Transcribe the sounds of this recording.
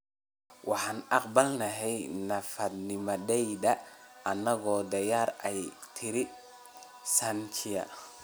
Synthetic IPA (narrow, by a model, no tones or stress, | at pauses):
wɑħɑːnʔɑqbɐlnɐɦɛjnɐfɐd̪nɪmɔdɛjd̪ɐʔɐnːɐɣɔːd̪ɐjaːɾɛj | t̪ʰɪɾɪ | sɐnt͡ʃʰɪjɐ̰